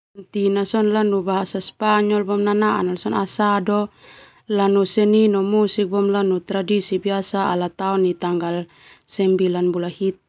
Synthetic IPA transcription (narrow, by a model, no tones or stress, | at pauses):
nt̪inasɔnlanubaɦasaspaɲɔlbɔmnanaʔa̰nalsɔnasadɔ | lanusɛninɔmusik̚bɔmlanut̪ɾadisibiasaa̰lat̪aɔnːit̪aŋɡal | sɛmbilanbulahit̪̚